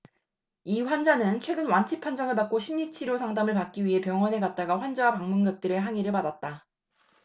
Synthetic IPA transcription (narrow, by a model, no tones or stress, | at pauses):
iɸwand͡ʑanɯnt͡ɕʰwe̞ɡɯnwant͡ɕʰipʰwand͡ʑʌŋɯɭpak͈oɕʰimɲit͡ɕʰiɾjosʰaŋdamɯɭpak͈̚iɥiɦe̞pjʌŋwʌne̞ɡat̚t͈aɡaɸwand͡ʑawapaŋmunɡʌt̚t͈ɯɾɯɦaŋiɾɯɭpadat̚t͈a